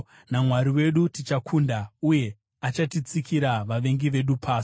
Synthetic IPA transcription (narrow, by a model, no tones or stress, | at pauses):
namwaɾiwe̞ɗutit͡ʃakʰundauje̞ | at͡ʃatit͡sikʰiɾaʋaʋe̞ŋɡiʋe̞ɗupʰaːsi̥